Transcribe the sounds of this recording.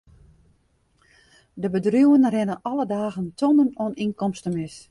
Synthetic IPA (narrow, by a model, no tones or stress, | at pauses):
dəbədrjuwənrɛnəʔɔlədaːɣəntʰonənoninkɔmstəmɪs